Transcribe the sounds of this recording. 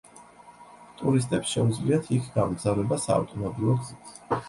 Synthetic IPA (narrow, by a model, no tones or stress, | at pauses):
t̪ʼuɾis̬t̪ʼɛpsʃɛud̪zliat̪ʰikʰɡ̥amɡzavɾɛbasa̰ːvt̪ʼɔmɔbɾivɔɡzit̪ʰ